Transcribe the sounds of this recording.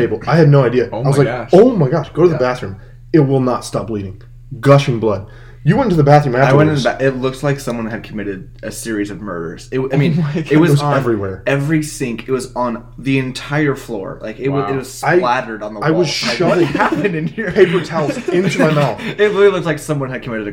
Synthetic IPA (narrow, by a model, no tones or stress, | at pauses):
eɪbl̩ˠaɪɨdⁿnoʊaɪdiɨaɪwʌzlaɪʃoʊmaɪɡɑʃɡ̥oʊɾɨðəbæθɹʉ̃m | ɪt̚wɪlˠnətstɑp̚b̥liɾɪ̃ŋ | ɡʌʃɨ̃nblʌd̥̚ | jɨwɛ̃ntntʰɨðəbæθɹʉ̃mæaɪwɛ̃ñnbæʔɪtˡlʊk̚slaɪksʌ̃mwʌ̃nɨd̚kʰəmɪɾɪɾʔɨsɪɹizʌvmɜ̰˞ɾə̰˞z̥ɪt̚waɪmĩnɪt̚wʌzwʌzɛvɹiwɛɹɛvɹisɪ̃ŋkʰɨt̚wʌzn̩ | ðiɨ̃ntʰaɪə˞flɔ̰ɹlʔa̰ɪkɪt̚wʌɪt̚wʌz̥saɪlæɾə˞ɾn̩ðəaɪwʌz̥ʃaɪʌʌhæpɨ̃nɨ̃niɹʰeɪpʊhaʊɪ̃nʃmaɪmaʊɪt̚ɹɪlˠilʊk̚tslaɪksʌ̃mwʌ̃nɨd̚kʰɨmɪɾɨɾɨ